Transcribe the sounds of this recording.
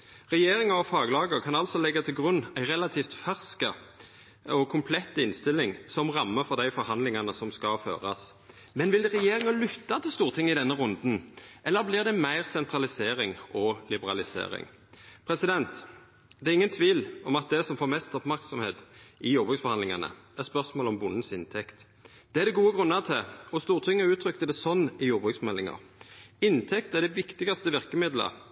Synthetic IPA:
ʁɛjeːɾɪŋəɔfɑːɡlɑːɡəɾkʰɑnɑlsɔlɛɡːɑt̪ʰɪlɡʁʉnːæɪʁɛlɑt̪ʰiːft̪fæʁskə | ɔkʰʊmpʰlɛt̪ːɪnst̪ɪlːɪŋsɔmʁɑmːəfɔʁd̪æɪfɔɾhɑnd̪lɪŋɑnəsɔmskɑfø̰ːʁɑ̰s | mɛnʋɪld̪ɛʁɛjeːʁɪŋəlʏt̪ːɑt̪ʰɪlst̪uːʁt̪ʰɪŋːɪd̪ɛnːəʁʊnd̪n̩ʔɛlːəblɪʁd̪ɛmæɪʁsɛnt̪ʰʁɑlɪseːɾɪŋʔɔlɪbəɾɑlɪsḛːɾɪ̰ŋ | pʰɾɛsɪd̪ɛnt̪ | d̪̥ɛæɾɪŋːənt̪ʰʋiːlɔmɑt̪̚d̪ɛsɔmfoːɾmɛst̪ɔpmæɾksɔmheːt̪ɪjuːʁbʁʉksfɔʁhɑnlɪŋɑnə̰æʁspœʁsmoːlɔmbʊnːn̩sɪnt̪ʰɛkt̪ | d̪̥ɛæd̪ɛɡuːəɡʁʉnːɑʁt̪ʰɪɔst̪uːʁt̪ʰɪŋːəʉːt̪ʰɾʏkt̪əd̪ɛsɔnːɪjuːbʁʉksmɛlːɪŋɑ̰ɾɪnt̪ʰɛkt̪əæʁd̪ɛʋɪkt̪ɪɡɑst̪əʋɪʁkəmɪd̪lə̰

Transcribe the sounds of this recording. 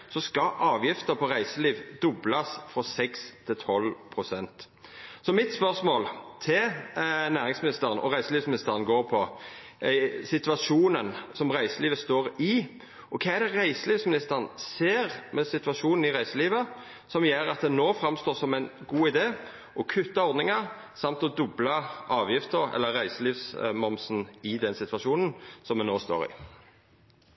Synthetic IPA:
sɔskɑʔɑːʋjɪft̪əpʰɔʁæɪsəliːʋd̪ʊblɑsfɾɔsɛkst̪ʰɪlt̪ʰɔlpʰɾʊsɛnt̪ | sɔmɪt̪spœʁsmoːlt̪ʰɪlnæːʁɪŋsmɪnɪst̪əʁnʔɔ̰ʁæɪsəliːfsmɪnɪst̪əʁnɡoːɾpʰɔ | sɪt̪ʋɑʃuːnənsɔmʁæɪsəliːʋəst̪oːɾɪ | ʔɔkʰɑːæd̪ɛʁæɪsəliːʋsmɪnɪst̪əʁnseːʁmʔɛsɪt̪ʋɑʃuːnən̩ɪʁæɪsəliːʋə | sɔmjeːɾɑt̪̚d̪ɛnoːfɾɑmst̪oːsɔmæɪnɡuːɪd̪eː | ʔɔkʰʉt̪ːɑɔɾd̪nɪŋɑ | sɑmt̪ɔd̪ʊblɑɑːʋjɪft̪əɛ̰lːəːæɪsəliːʋsmɔmsn̩ɪd̪ɛnsɪt̪ʋɑʂuːnənsɔmːɛnoːst̪o̰ːɾɪ̰

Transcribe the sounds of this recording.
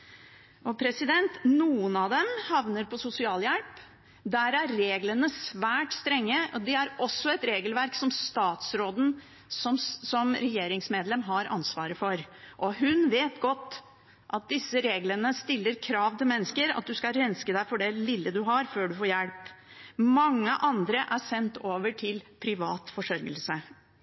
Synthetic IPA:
ʔɔpʰɾɛsɪd̪ɛnt̪nuːənɑd̪ɛmhɑʋnəɾpʰɔsʊsɪɑːljælp | d̪æɾæɾːeːɡlənəsʋæːʈst̪ɾɛŋːəʔɔd̪ɛæɾɔsːɔɛt̪ɾeːɡəlʋæɾksɔmst̪ɑːt̪sɾoːd̪ən̩ | sɔmsɔmɾɛjeːɾɪŋsmeːd̪lɛmɦɑɾɑ̰nsʋɑːɾəfɔɾ | ʔɔɦʉnʋeːt̪ɡɔt̪ː | ʔɑt̪̚d̪ɪsːəɾeːɡlənəst̪ɪlːəɾkʰɾɑːʋt̪ʰɪlmɛnːəskəɾɑ̰t̪̚d̪ʉskɑɾɛnskəd̪æɪfɔɖɛlɪlːəd̪ʉɦɑɾføːɖʉfoːɾjɛlp | mɑŋːəʔɑnd̪ɾəʔæʂɛnt̪oːʋəʈʰɪlpʰɾɪʋɑːt̪fɔʂœɾɡəlsə

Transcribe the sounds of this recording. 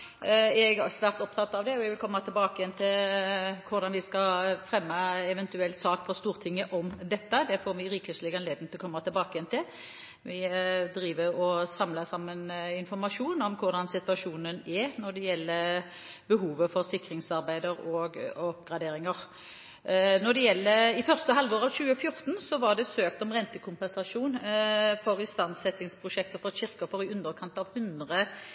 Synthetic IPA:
ɛɡsʋæːʁt̪ɔp̚t̪ʰɑt̪ːɑʋd̪ɛɔɛɡʋɪlkʰɔmːɑt̪ʰɪlbɑːkəjɛnt̪ʰɪlkʰʊɾd̪ɑnʋɪskɑfɾɛmːəɛʋɛnt̪ʉɛlt̪sɑːkfʰɔst̪uːʁt̪ʰɪŋːəʔɔmd̪ɛt̪ːəd̪ɛfɔɾʋɪɾiːkəslɪɡɛnleːd̪nət̪ʰlɔkʰɔmːɑt̪ʰɪlbɑːkəjɛnt̪ʰɪ | ʋɪd̪ɾiːʋəɾɔsɑmləsɑmːənɪnfɔɾmɑʂuːnɔmkʰʊɾd̪ɑnsɪt̪ʉɑʂuːnənɛnɔd̪ɛjɛlːə | bəɦuːʋəfɔʁsɪkɾɪŋsɑʁbæɪd̪əɾɔɡɔpɡʁɑd̪eːɾɪŋəʁ | nɔd̪ɛjɛlːəɪfœʁst̪əɦɑlʋoːʁɾɑʋɕʉːəfjʊʁt̪nsɔʋɑʁd̪ɛsøːk̚t̪ɔmʁɛnt̪əkʰʊmpɛnsɑʂuːnfɔɾɪst̪ɑnsɛt̪ːɪŋspʰʁʊʃɛk̚t̪əfɔʁɕɪɾkɑfɔɾɪʉnd̪əɾkʰɑnt̪ɑʋhʉnd̪ʁə

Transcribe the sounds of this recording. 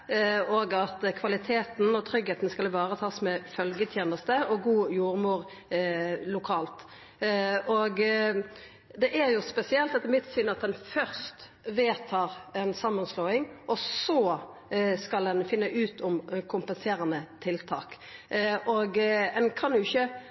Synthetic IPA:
oɡɑt̪kʰʋɑlɪt̪ʰeːt̪n̩ɔt̪ʰɾʏɡheːt̪n̩skɑlʋɑːɾət̪ʰɑːsmɛfœlɡət̪ʰjeːnəst̪əɔɡuːjuːʁmuːʁ | lʊkʰɑːlt̪ | ɔɡ | d̪ɛʔæʁjʊspɛsɪɛlt̪ɛt̪ːɛmɪt̪sʏnɑt̪̚d̪ɛnfœʁst̪ | ʋeːt̪ʰɑːʁɛnsɑmːənsloːɪŋʔɔsɔ | skɑld̪ɛnfɪnːəʔʉːt̪ʰʊmkʰʊmpənseːʁɑnət̪ʰɪlt̪ʰɑ̰ːk | ʔɔɡɛnkʰɑnd̪ʊɪçːə

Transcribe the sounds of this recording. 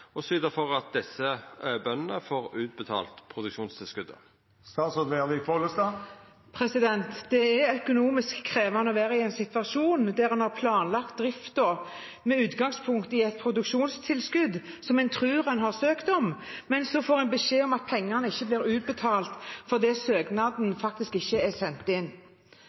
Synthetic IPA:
ɔsʋiːd̪əfɔʁɑt̪̚d̪ɛsəøːbœnnəfoːʁʉːt̪̚bət̪ʰɑ̰ːlt̪pʰʁʊd̪ʉkʃuːnst̪ʰɪlskʉd̪ə̰ | st̪ɑːsɔd̪ʋeʁlɪfoləst̪ɑː | pʰɾɛsɪd̪ɛnt̪d̪̥ɛæɾœkʊnuːmɪskʰːʁeːʋɑnəɔʋæːɾəɪɛnsɪt̪ʋɑʃuːnd̪æɾɛnhɑʁpʰlɑːnlɑk̚t̪̚d̪ʁɪft̪dɔ | mɛʉːt̪ɡɑŋspʰʊŋkt̪ɪɛt̪̚pʰɾʊd̪ʉkʃuːnst̪ʰɪlskʉd̪ | sɔmɛnt̪ʰʁʉːʁɛnɦɑʁsøːkt̪ɔmmɛnsɔfoːʁɛnbəʂeːɔmɑt̪̚pʰɛŋːɑnəɪçːəblɪːɾʉːt̪̚bət̪ʰɑːlt̪fɔʁd̪ɛːsøːɡnɑd̪n̩fɑk̚t̪ɪskɪçːəɛsɛnt̪ɪnː

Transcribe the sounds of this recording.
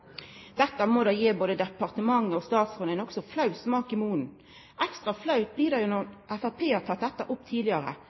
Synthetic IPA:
d̪̥ɛt̪ːəmɔd̪ɑːjeːboːd̪əd̪ɛpɑʁt̪əmɑŋːəɔst̪ɑːt̪sfɔnæɪnɔksɔflɑʉsmɑːkɪmuːn̩ | ʔɛkst̪ʁɑflɑʉt̪̚blɪːd̪ɑjʊnɔʔɛfæpʰeːɑt̪ʰɑt̪̚d̪ɛt̪ːəʔʊpt̪ʰiːd̪lɪəɾə̰

